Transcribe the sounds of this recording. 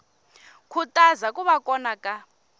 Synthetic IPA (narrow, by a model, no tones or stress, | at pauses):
kʰutʼazakʼuβakʼɔnakʼa